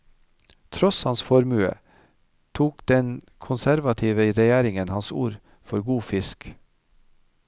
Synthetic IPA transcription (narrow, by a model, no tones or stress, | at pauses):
t̪ʰɾɔshɑnsfɔɾmʉːə̰ | t̪ʰuːkd̪̥ɛn | kʰʊnsæɾʋɑt̪ʰiːʋəɾɛjæːɾɪŋənhɑnsṵːɾ | fɔɾɡuːfɪsk